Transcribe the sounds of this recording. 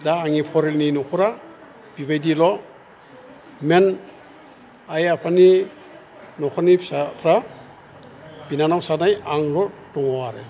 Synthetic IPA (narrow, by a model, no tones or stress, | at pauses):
daːŋipʰɔɾelninɔkʰuɾa | b̥ibajdilɔ | men | ajapʰani | nɔkʰanisatʰɾa | b̥inanawsanajaŋlɔdɔŋɔwaɾe